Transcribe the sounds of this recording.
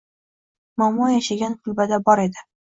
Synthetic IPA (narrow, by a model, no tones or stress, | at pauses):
mɒmɒjaʃaɡʲanqʰʊlˠbad̪abɒɾe̞d̪ɪ